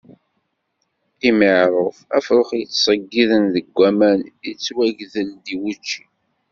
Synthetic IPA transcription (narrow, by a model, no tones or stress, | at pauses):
θiməʕɾˤəfæfɾoχjət͡sːsˤəɡːiðənðəɡʷːæmænit͡sːwæʝðəld̪iwut͡ʃːi